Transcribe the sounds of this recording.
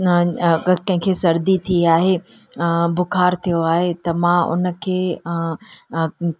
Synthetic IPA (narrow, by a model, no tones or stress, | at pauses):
kɐ̃ɦɪ̃ŋkʰesɐɾd̪it̪ʰiaːɦe | bʊkʰaːɾt̪ʰijoaːɦet̪ɐmãʊ̰nə̆kʰeː